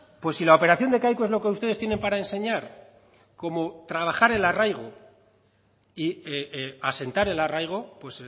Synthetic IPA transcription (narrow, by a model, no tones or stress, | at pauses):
pwe̞sːilao̞pe̞ɾaθjo̞nd̪e̞kajkoe̞zlo̞ke̞ust̪e̞ðest̪je̞ne̞mpaɾae̞nse̞ɲaɾ | ko̞mo̞t̪ɾaβ̞axaɾe̞larajɣ̞o̞ | iease̞nt̪aɾe̞larajɣ̞o̞pwe̞s